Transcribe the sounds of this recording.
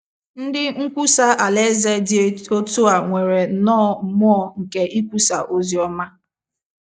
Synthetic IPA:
n̩˦dɪ˦ŋ̩˦kʷu˦sa˦ʔa˨le˦ze˦dɪ˦e˦o˦tu˦a˨ŋʷe˨ɾe˨˦nɔː˦m̩˨˦m˦ɔ˦ŋ̩˨ke˦ʔi˦kʷu˦sa˨ʔo˦zi˨˦ɔ˦ma˦

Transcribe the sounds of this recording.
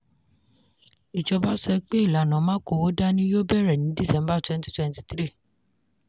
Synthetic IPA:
i˨d͡ʒɔ˧ba˦sɛ˧˦k͡pe˦i˦˨la˨nã˨˦mãː˦ko˧˨wo˦da˦nĩ˦jo˦bɛ˦˨ɾɛ˨nĩ˨˦di˦˨sɛ̃˧˦mba˦˨twɛ̃˦n˦ti̥˦twɛ̃˧nti̥˧t̪ɾi˦˨

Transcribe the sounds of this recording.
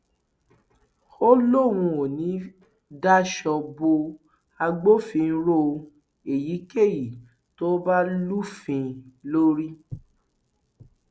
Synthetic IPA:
o˦lo˦˨ɾ̃ũ˧o˨nĩ˨˦ | da˦ʃɔ˧bo˧ | a˧ɡ͡bo˦fĩ˧˦ɾo˦˧ | e˨ji˨˦ke˦˨ji˨ | to˦ba˦lu˦fĩ˧lo˦ɾi˦

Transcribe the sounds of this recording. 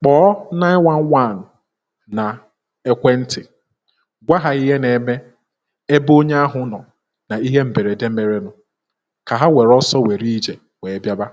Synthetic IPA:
k͡pɔː˦na˦ɪ˦wa˦n˦wa˦˨nː˨ | a˨ | e˦kʷe˦n̩˦tɪ˨ | ɡʷa˦ɦa˨i˦ɦe˦ne˨me˦ | e˦bo˦ɲe˦a˦ɦʊ˦nɔ˨ | na˨i˦ɦe˦m̩˨be˨ɾe˨de˦m̩˦me˨ɾe˨nʊ˨ | ka˨ɦa˦wʷe˨ɾɔ˦sɔ˦we˨ɾi˦d͡ʒe˨ | we˨˦bja˦ba˦

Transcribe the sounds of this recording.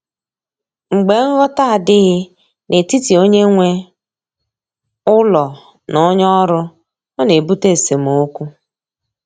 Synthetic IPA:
ŋ͡m̩˨ɡ͡be˨ŋ̩˦ɣɔ˦ta˦a˨dɪ˦ɣɪ˦ | nʔe˨ti˦ti˨o˦ɲe˦ŋʷe˦ | ʊ˦lɔ˨ | nʊ˨˦ɲɔ˦ɾʊ˦ | ɔ˦ne˨bu˦te˦˨se˨m˨o˦kʷu˦

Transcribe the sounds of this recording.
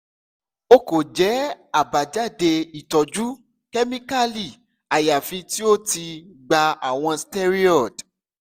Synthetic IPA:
o˧ko˨d͡ʒɛ˨˦a˦˨ba˨d͡ʒa˦˨de˧i˨tɔ˨d͡ʒu˦ | kɛ˦mĩ˦ka˦li˨ | a˨ja˨fĩ˧ti˦o˦ti˧ɡ͡ba˧a˨w̃ɔ̃˧ste˦ɾi˦ɔ˦˨d

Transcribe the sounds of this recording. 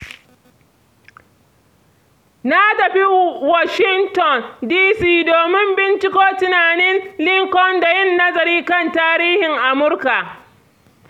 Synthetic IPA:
na˦tɐ˨ɸi˦wa˦ʃɪ˦ŋtɔ˨ndiː˦siː˦doː˨mɪ˦mbɪ˦nt͡ʃɪ˦koː˦tʊ˨naː˨nɛ˦nlɪ˦ŋkɔ˦nda˨jɪ˦˨nːɐ˦zɐ˨ɾiː˦kɐ˦˨ntaː˦ɾiː˦hɪ˨ŋʔa˨mʊ˦ɽka˨ʔ

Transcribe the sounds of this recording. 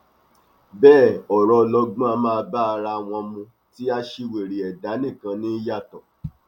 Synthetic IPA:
bɛː˦˨ɔ˨ɾɔ˧lɔ˧ɡũ˦a˧mãː˦˧ba˦˧ɾa˧w̃ɔ̃˧mũ˧ | ti˦a˧ʃi˧we˨ɾi˨ɛ˨da˨˦nĩ˦˨kã˧nĩ˦ja˦˨tɔ̃˨

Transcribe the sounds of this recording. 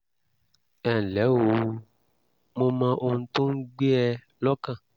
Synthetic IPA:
ɛ˨n̩˨lɛ˨˦wo˨ | mõ˦mã˧ʔo˧n̩˨t̪õ˦ŋ̩˦ɡ͡be˦ɛ˧˨ | lɔ˦kã˦˨

